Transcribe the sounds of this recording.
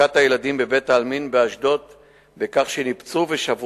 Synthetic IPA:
at̪ajelad̪imbe̞ve̞t̪aːlminbeaʃd̪o̞t̪ | bekaχʃenipt͡suveʃav

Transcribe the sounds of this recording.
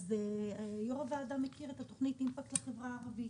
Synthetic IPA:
zejoʁavaːdamːekiʁet̪ato̞χnit̪nimfaktleχevʁaːʁavi

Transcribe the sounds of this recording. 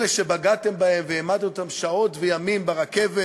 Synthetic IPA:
eʃebaɡat̪e̞mbahe̞mveemadt̪ot̪amʃao̞t̪vejamimbeʁakeve

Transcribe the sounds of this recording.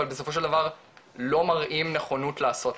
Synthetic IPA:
albeso̞fo̞ʃ̬e̞ld̪avaʁ | lo̞maʁʔimne̞χo̞nutlaːso̞t

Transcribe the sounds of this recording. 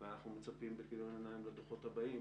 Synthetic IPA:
veanaχnumet͡sapimbekiɾonenaimled̪oχo̞t̪habai

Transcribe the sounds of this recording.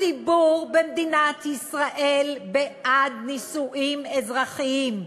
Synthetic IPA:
ibuʁbemd̪inat̪ʰisʁaʔelbeʔad̪nisuʔimezʁaχiim

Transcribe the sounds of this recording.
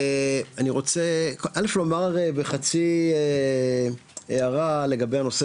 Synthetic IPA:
aniʁo̞t͡sekʔaleflo̞maʁebeχat͡sie | eaʁale̞ɡabejhano̞se

